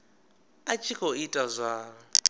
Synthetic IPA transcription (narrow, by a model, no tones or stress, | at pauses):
at͡ʃʼʰikʰɔitʼazʷa